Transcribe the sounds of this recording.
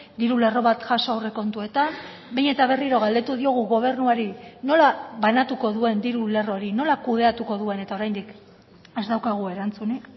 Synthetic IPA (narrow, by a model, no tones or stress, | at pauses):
d̪iɾule̞ro̞βat̪ʝaso̞awre̞ko̞nt̪ue̞t̪an | bejɲe̞t̪aβ̞e̞riɾo̞ɣ̞ald̪e̞t̪uðio̞ɣ̞uɣo̞β̞e̞ɾnuaɾino̞laβanat̪uko̞ðue̞nd̪iɾule̞ro̞ɾino̞lakuðe̞at̪uko̞ðue̞ne̞t̪ao̞ɾajnd̪ik | ezd̪awkaɣ̞ue̞ɾant͡suni